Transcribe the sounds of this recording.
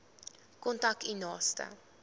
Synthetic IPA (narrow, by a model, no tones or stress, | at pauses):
kɔntak̚tinɑːstə̰